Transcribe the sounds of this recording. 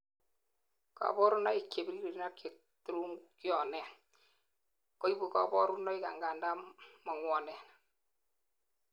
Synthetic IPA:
ka̰˨bɔ˦ɾu˦na˦i˨ke˨bi˦ɾi˦ɾi˨ɾi˦na˦kje˨ | tu˦ɾu˦ŋkjɔ˨nɛ˨ | kɔ˦i˦bu˨kɔ̰˨bɔ˦ɾu˦nɔ˦i˦ka̰˨ŋɡa˨nda˦mɔ˨ŋwɔ˨nɛ˨n

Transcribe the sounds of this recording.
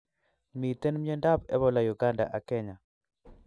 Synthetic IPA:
mi˨t̪e˦nmje˦nda˦pɛ̰˦βɔ˦la˨ju˨ɡa˦nda̰˨ʔa˨kɛ˦ɲa˨

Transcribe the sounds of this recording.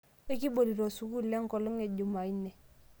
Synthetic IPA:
e˦ki˦bo˨li˨ɾo˨su˨ku˦le˦ŋ˦kɔ˨lu˦ŋe˨ɟu˨ma˨i˦nɛ˨

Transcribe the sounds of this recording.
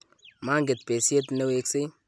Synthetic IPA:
ma˦ŋɡe˨t̪̚pe˨se˦t̪ne˦we˦kse˦

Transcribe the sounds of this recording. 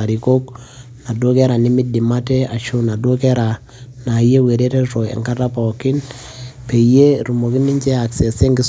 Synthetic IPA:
a˨ɾi˨ko˦k̚ | na˨do˦kɛ˦ɾa˨nɪ˦mi˦di˨ma˦te˦a˨ʃo˦na˨do˦kɛ˦ɾa˨ | na˨je˦we˨ɾe˦te˦ɾo˨ḛ˨ŋka˦ta˦pɔ˨kɪ˦n | pe˨je˦ɾu˨mo˨ki˦ni˦ɲt͡ʃɛ˦a˨kse˨se˦ŋɡɪ˦s

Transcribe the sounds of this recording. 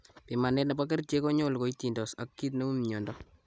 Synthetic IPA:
pi˨ma˨netna˨pa˦k̬ɛ˦rt͡ʃe˦ko˦ɲolko˨iti˨ndɔ˨sa̰˨kːi˦t̬ne˦u˦mɲɔ˨ndɔ

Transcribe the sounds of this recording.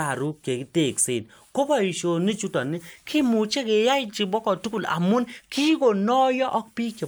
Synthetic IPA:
a˨ɾu˦kːe˨ki˦te˦˨kse˦˨t | ko˦bɔ˨i˨ʃo˨ni˦t͡ʃu˦tɔ˨ni˦kʰɪ˦mu˨t͡ʃe˦ke˨ja˦ɪ˦t͡ʃi˨bɔ˦kɔ˨tu˦ku˨la̰˨mʊ˦nkʰi˦ko˨nɔ˦jɔ˦ʔɔ˦k̚pi˦ke˨

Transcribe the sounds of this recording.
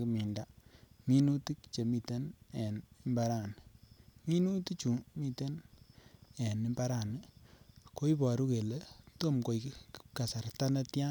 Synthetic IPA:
ki˨mi˨nda˨mi˦nu˦ti˦kt͡ʃe˨mi˨te˦ne˨ni˦mba˦ɾa˨nmi˦nu˦ti˦t͡ʃu˨mi˦te˦n | e˨ni˦mba˦ɾa˨n˨ko˦i˦pɔ˨ɾu˦ke˨le˦to˦mko˨jka˨sa˨rta˦na˦tja˦

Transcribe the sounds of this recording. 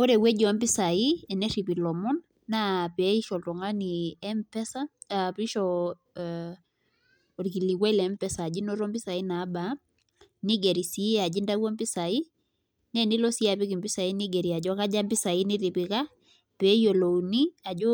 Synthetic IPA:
ɔ˦ɾɛ˨wɛ˦d͡ʒɔ˨a˦mbi˦sa˨i˦ɛ˨nɛ˦ɾi˨pi˨lɔ˨mɔ˦nː | a˦pɛ˨˦i˦ʃɔ˨ltɔ˨ŋa˦niɛ˦mpɛ˦sa˦ | pɾi˦ʃɔ | ɔ˨ɾki˨li˨kwɛ˦lɛ˦mpɛ˦saː˨d͡ʒi˦nɔ˦ɾɔ˦mbi˦sa˨i˦na˨˦ba˦ | ni˦ɡɛ˨ɾi˨si˦ɛa˨d͡ʒi˦nda˦wɔ˦mpi˦sa˨i˦ | nɛ˦ni˦lɔ˦si˦a˨pi˦ki˨mbi˦sa˨i˦ni˦ɡɛ˨ɾi˨a˨d͡ʒɔ˦ka˦d͡ʒa˦mbi˦sa˨i˦ni˦ɾi˨pi˨ka˦ | pɛ˨˦jo˨lo˨ni˦a˨d͡ʒɔ˦

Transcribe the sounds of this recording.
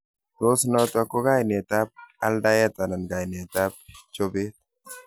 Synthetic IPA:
ɾo˦snɔt̪a˧ko˦ɡa˦jne˨t̪a˦p̚a˦lɖa˦ja˦t̪a˨na˨nɡa˨jne˨t̪a˦p̚t͡ʃo˦be˦t̪̚

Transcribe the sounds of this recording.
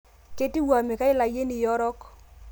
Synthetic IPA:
ke˦ti˦wa˨me˨ka˦ɪ˦la˨je˦ni˨jɔ˦ɾɔ˦k

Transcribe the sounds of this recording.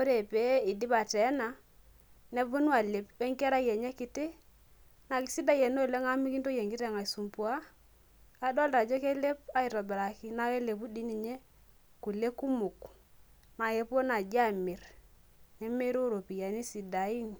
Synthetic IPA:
o˦ɾe˨pe˦i˨di˦pa˨tɛ˨˦na˨ | nɛ˨vu˦nu˦a˨le˨pɛ˦ŋkɛ˦ɾa˦jɛ˨ɲɛ˦kɪ˨˦tɪ˦ | na˨ki˨˦si˦da˦jɛ˨no˦˨lɛ˦ŋa˦mi˦ki˦n˦to˦jɛ˨ŋɡɪ˦tɛ˦˨ŋa˨su˨mpu˨˦aː˦ | dɔ˦lta˨d͡ʒe˦ke˦le˦pa˦ɪ˨tɔ˨bɛ˨ɾa˨kɪ˦na˦ke˦le˨p̬u˦di˦ni˨ɲe˦ | ku˨le˦ku˦mʊ˨k | na˨je˦po˦na˨d͡ʒa˦˨mɪ˨ɾ | nɛ˦me˦ɾo˦ɾo˨pi˨ja˨ni˦si˨da˨i˦n˨

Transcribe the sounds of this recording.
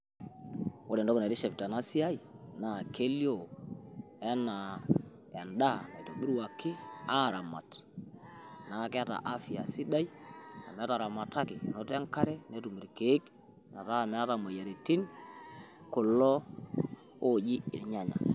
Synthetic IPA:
o˦ɾɛ˨ndɔ˦ko˨na˨ti˦ʃɛ˨pta˨na˦si˦a˦i˨na˨ke˦ljo˦˨ | ɛ˦na˨ | ɛ˨nda˦na̰˨i˨to˨ɓi˦ɾwa˨kːɪ˦a˦˨ɾa˨ma̰˨t | na˨kɪ˦a˦ta̰˨ʔa˦fi˨a˨si˦da˦ja̰˨mɛ˨˦ta˨ɾa˨ma˨ta˦kɪ˨no˦tɛ˦ŋka˦ɾɛ˦ne˨˦tu˨mi˨ɾke˨˦k | na˨ta˦˨mɛ˨a˦ta˨ma˨ja˨ɾi˨ti˦n | ko˨lɔ˦ | o˦d͡ʒi˦ɪ̰˨ɲa˨ɲa̰˨

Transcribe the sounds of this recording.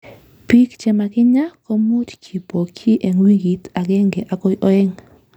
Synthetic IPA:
pi˦kt͡ʃɛ˨ma˨kɪ˦ɲa˦kɔ˦mu˦tt͡ʃi˨po˨kʰi˦ʔe˨ŋwi˦ɡi˨t̪a˨ɡɛ˦ŋɡe˨ʔa˨ko˦jʔɔ˦ɛ˦ŋ

